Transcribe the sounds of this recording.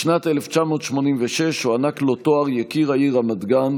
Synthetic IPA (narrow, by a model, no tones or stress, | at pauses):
ʃnat̪eleft͡ʃamo̞ːt̪ʃmo̞nimveʃeʃhuanaklo̞t̪oaʁjekiʁaiʁamad̪ɡan